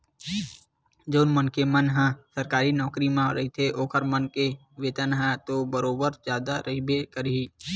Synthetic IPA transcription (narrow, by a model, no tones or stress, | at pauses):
d͡ʒoːnmənkemənɦãsəɾkaːɾinɔːkɾimãɾəɦit̪ʰeʔoːkʰəɾmənke | ʋeːt̪ənɦãt̪obəɾoːbəɾd͡ʒjaːd̪aɾəɦibekəɾiː